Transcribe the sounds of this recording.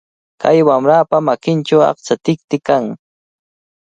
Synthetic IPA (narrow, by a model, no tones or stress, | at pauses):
kʰa̰jwamɾaːpamakɪnʈ͡ʂawɑ̰χt͡ʃat̪ɪk̚t̪ɪkaŋ